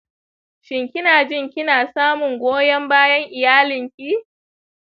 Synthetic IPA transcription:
ʃɪ˨ŋkʲɪ˦naː˨d͡ʒɪ˦˨ŋkʲɪ˦naː˨saː˦mʊ˨ŋɡʷoː˦jɐ˦mbaː˦jɐ˦ŋʔɪ˨jaː˦lɪ˨ŋkʲi˦

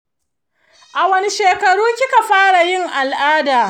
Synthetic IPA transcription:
ʔa˨wɐ˦ni˦ʃeː˨kɐ˨ɽuː˦kʲɪ˦ka˨ɸaː˦ɽa˨jɪ˦ŋʔa˨lʔaː˦daː˨

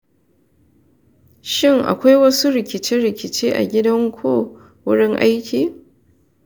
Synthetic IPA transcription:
ʃɪ˦ŋʔa̰˨kʷa˦jwɐ˦su˦ɾɪ˨kʲɪ˨t͡ʃɪ˦ɽɪ˨kʲɪ˨t͡ʃeː˦ʔa̰˨ɡʲɪ˦dɐ˦ŋkʷʰoː˦˨ | wʊ˦ɽɪ˦ŋʔa˦jkʲʰiː˨

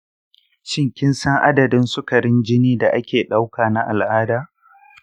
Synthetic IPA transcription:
ʃɪ˦ŋkʲɪ˦nsɐ˦ŋʔa˦dɐ˨dɪ˦nsʊ˦kɐ˨ɽɪ˦nd͡ʒɪ˦niː˦da˨ʔa˦kʲeː˨ɗa˦wkaː˨na˦ʔa̰˨lʔaː˦daː˦

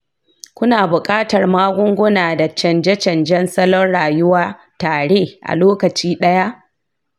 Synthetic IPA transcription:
kʷʊ˦naː˨bʊ˨kʼaː˦tɐ˨rmaː˦ɡʷʊ˦ŋɡʷʊ˦naː˨da˨t͡ʃɐ˨nd͡ʒɛ˦t͡ʃɐ˨nd͡ʒɛ˦nsɐ˦lɔ˦nɽaː˨jʊ˦waː˦ | taː˨ɽeː˦ʔa̰˨loː˦kɐ˨t͡ʃiː˦ɗɐ˦ja˦ʔ

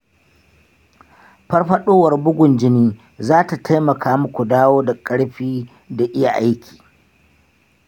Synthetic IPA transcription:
ɸɐ˦rɸɐ˦ɗoː˦wɐ˨rbʊ˦ɡʷʊ˨nd͡ʒɪ˦niː˦ | zaː˦ta˨tʰa˦jmɐ˨kʰaː˦mʊ˦kʷu˨daː˦woː˦da˨kʼɐ˦ɽɸiː˦ | da˨ʔɪ˦ja˨ʔa˦jkʲi̥ː˨

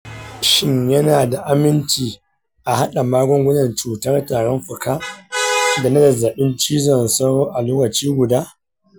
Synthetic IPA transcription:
ʃɪ˦ɲjɐ˦naː˨da˨ʔa˦mɪ˦nt͡ʃiː˨ | ʔa˨ha˦ɗa˨maː˦ɡʷɔ˦ŋɡʷʊ˦nɐ˨nt͡ʃuː˨tɐ˦rtaː˨ɽɔ˦mɸʊ˨kaː˦ | da˨nɐ˦dɐ˨za˨ɓɪ˦nt͡ʃiː˦zɔ˦˨nsɐ˦ɽoː˦ʔa˨loː˦kɐ˨t͡ʃiː˦ɡʷʊ˨daː˦

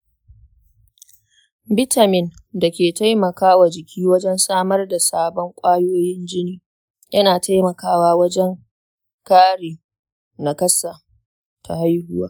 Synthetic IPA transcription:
bɪ˦ta˨mɪ˨nda˨kʲeː˨ta˦jmɐ˨kaː˦wa˨d͡ʒɪ˨kʲʰiː˦wɐ˦d͡ʒɛ˦nsaː˦mɐ˦rda˨saː˦bɔ˦ŋkʷʼaː˦joː˦jɪ˦nd͡ʒɪ˦niː˦ | jɐ˦naː˨ta˦jmɐ˨kaː˦waː˦wɐ˦d͡ʒɛ˦ŋ | kaː˦ɽiː˨ | na˨kɐ˦sa˨ | tʰa˨ha˦jhʊ˦wa̰ː˨˦

